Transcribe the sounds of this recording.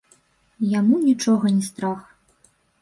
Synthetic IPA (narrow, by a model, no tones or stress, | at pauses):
jamunʲit͡ʂɔɣɐnʲɛst̪ɾax